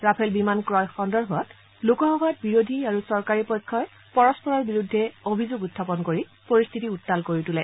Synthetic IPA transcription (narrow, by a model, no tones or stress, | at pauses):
ɹapʰɛlbimankɹɔjxɔndɔɹbʱɔɔt | lokɔɦɔɡɔjɔt̚biɹodʱiaɹusɔɹkaɹipɔjkʰːɔj | pɔɹɔspɔɹɔɹbiɹudʱːɛobʱizoɡutʰːapɔnkoɹi | poɹist̪ʰitiutːalkoɹitulɛ